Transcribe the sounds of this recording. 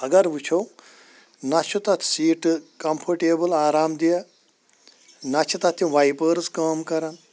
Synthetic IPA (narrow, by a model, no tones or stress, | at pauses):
ɐɡɐɾʋut͡ʃʰow | nɐt͡ʃʰut̪ɐt̪ʰsiːʈkɐmpʰɐɾʈeːbɨlaːɾaːmd̪ijɐ | nɐt͡ʃʰit̪ɐt̪ʰːjĩʋajpəːɾskɐːmkɐɾɐn